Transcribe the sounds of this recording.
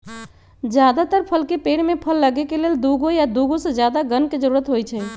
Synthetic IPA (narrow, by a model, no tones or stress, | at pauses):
d͡ʒjad̪at̪əɾpʰəlkepeɽmepʰəlːəɡekeleld̪uɡojad̪uɡosəd͡ʒjad̪aɡənked͡ʒəɾuɾət̪ɦojt͡ʃʰɛ